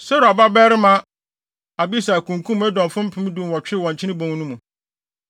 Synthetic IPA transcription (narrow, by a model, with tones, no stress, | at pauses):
sɛ˦ɾa˨ba˦bɛ˦ɾɪ˦mã˦ | a˨bi˦sa˨æ˨kʰũ˨ŋ˨kʰũ˦m˨ɛ˦dɔ̃˨m˨fʊ̃˦m̩˦pʰɪ̃˦m̃˦dũ˦m˨wɔ̃˨t͡ɕᶣɪ˦˨wɔ̃˨ɲ˨t͡ɕʰɪ˦ɪ̃˦bõ˨ŋ˦nũ˦mũ˨